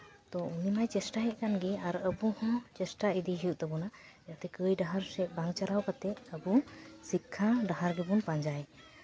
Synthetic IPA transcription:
t̪ɔunimajt͡ʃɛsʈaɦɛt̪̚ˀkanɡɛaɾəbuhɔ̃t͡ʃɛsʈaid̪iɦijuʔt̪ɛbɔna | at̪ɛkəjɖaɦaɾsɛʔ̚baŋt͡ʃaɾawkat̪ɛt̪̚əbusikʰːaɖaɦaɾɡɛbunpaɲd͡ʒaj

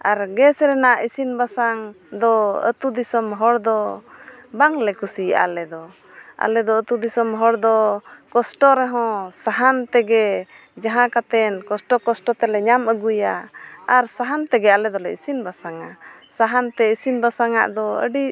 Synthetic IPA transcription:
aɾɡɛsɾɛnaʔisinbasaŋ | d̪ɔə̰t̪ud̪isɔmɦɔɽd̪ɔ | baŋlɛkusia̰lɛd̪ɔ | a̰lɛd̪ɔət̪ud̪isɔmɦɔɽd̪ɔkɔsʈɔɾɛɦɔ̃saɦant̪ɛɡɛ | d͡ʒaɦãkat̪ɛnkɔsʈɔkɔsʈɔt̪ɛlɛɲaməɡujaaɾsaɦant̪ɛɡɛalɛd̪ɔlɛisinbasaŋa | saɦant̪ɛisinbasaŋa̰ʔd̪ɔə̰ɖi

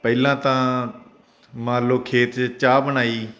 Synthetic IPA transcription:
pəɪlãːt̪ãː | mãːloːkʰeːt̪t͡ʃaːbənaːiː

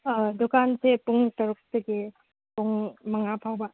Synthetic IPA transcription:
dukansepuŋtɐɾuk̚tɐɡe | puŋmɐŋapʰawbɐ

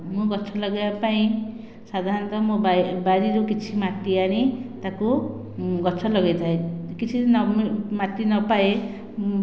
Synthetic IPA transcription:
mũɡʌt͡sʰʌlʌɡapaĩ | sad̪ʱaɾnt̪ʌmobabaɾiɾokit͡sʰimaʈ̪ːiaɽ̃it̪ako | ɡʌt͡sʰʌlʌɡet̪ʰaekit͡sʰinmaʈ̪ːinʌpae

